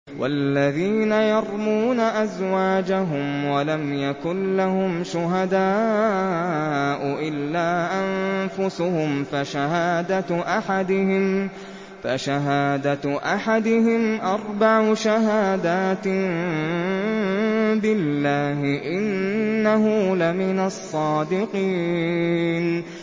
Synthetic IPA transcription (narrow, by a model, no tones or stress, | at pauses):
wʔa̰lːaðiːnajɑɾˤmuːnaʔazwaːd͡ʒaɦʊmwalamjakʊnlahʊmʃʊɦad̪aː | ʔʊʔɪlːaːʔanfʊsʊhʊmfaʃaɦaːd̪aʔaħad̪ɪhɪm | faʃaɦaːd̪aʔaħad̪ɪhɪmʔɑɾˤbaʕʊʃaɦaːd̪aːt̪ | bɪlːaːɦɪʔɪnːaɦuːlamɪnasˤːɑːd̪ɪqiː | n